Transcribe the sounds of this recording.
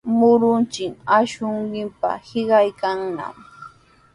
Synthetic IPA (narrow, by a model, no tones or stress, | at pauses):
mʊɾʊnt͡ʃɪŋaʃʊɴɢɪmpa̰hɪɢɑjkaŋna̰m